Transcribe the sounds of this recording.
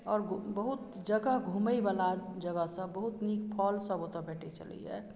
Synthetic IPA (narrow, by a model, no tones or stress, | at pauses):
ɔːɾbəɦʊt̪ | d͡ʒəɡəɦɡʱuməibalad͡ʒəɡəɦsə̃bəɦut̪niːkʰpʰɔːlsəbot̪əbɛːʈʰit͡ʃə̰lḭɦɛ̰ː